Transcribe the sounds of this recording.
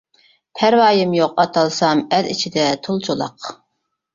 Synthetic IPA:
pʰæɾvɑːjɪmjoqɑt̪ʰɑlˠsɑmɛlḭt͡ʃʰid̪ɛt̪ʰolˠt͡ʃʰolˠɑ̰q

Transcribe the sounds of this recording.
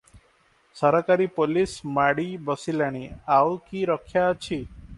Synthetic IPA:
səɾakaɾipolismaɽibəsilaɽ̃iawkiɾɔkʰjat͡ʃʰi

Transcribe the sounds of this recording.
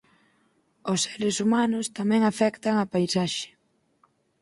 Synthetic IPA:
ʊsːeɾɪsumanʊst̪amɛ̃ŋafɛkt̪aŋapajsaʃɪ̥

